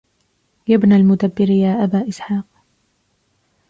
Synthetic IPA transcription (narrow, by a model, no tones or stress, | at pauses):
jabnalmʊd̪abːɪɾjaːʔabaːʔɪsħɑːq̚